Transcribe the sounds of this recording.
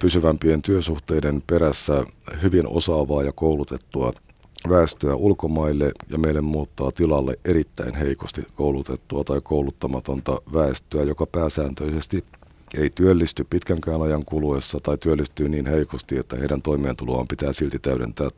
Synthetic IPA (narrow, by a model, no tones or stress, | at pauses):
pysyʋæmpient̪yøsuht̪eidempeɾæsːæhyʋino̰sɑːʋɑːjɑkoulut̪et̪ːuɑ̰ | ʋæest̪øæʔulkomɑilːejɑ̰meilːemmuːt̪ːɑːt̪ilɑlːeʔʔeɾit̪ːæ̰inɦe̞ikost̪ikoulut̪et̪ːuɑt̪ɑikoulut̪ːɑmɑt̪ont̪ɑʋæest̪øæjokɑpæːsæːnt̪øisest̪i | eit̪yølːist̪yppit̪kæŋkæːnɑjɑŋkuluesːɑt̪ɑit̪yølːist̪yːniːnheikost̪ie̞t̪ːæheiɾænt̪o̞imeːnt̪uluɑ̰ːmpit̪æːsilt̪it̪æyɾḛnt̪æː